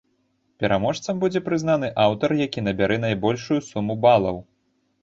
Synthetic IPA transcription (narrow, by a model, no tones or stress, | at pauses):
pʲɛɾʔamɔʂt̪sɐmbud͡zʲɛpɾɨzn̪an̪ɨʔawt̪ɐrjakʲinɐbʲaɾɛn̪ajbɔlʲʂujusumubalˠɐ̰w